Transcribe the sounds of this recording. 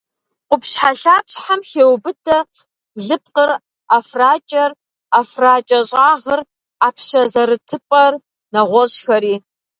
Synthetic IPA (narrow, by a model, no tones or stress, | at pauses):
qʷʊpɕħaɬaːpɕħamxeːwbɨtʰɐ | ɮɨp̚qər | afraːt͡ʃʼɐr | afraːt͡ʃʼɐɕʼaːʁər | aːpʰɕɐzɐɾɨtʰɨpʼɐr | nɐʁʷɔɕxɐɾiː